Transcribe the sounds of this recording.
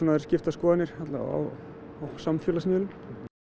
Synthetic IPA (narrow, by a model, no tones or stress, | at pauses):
ɔnaɛɾ̥scɪft̪askɔːðanɪɾ̥hat̪la̰a̰ | samfjœːlasmœːlʏm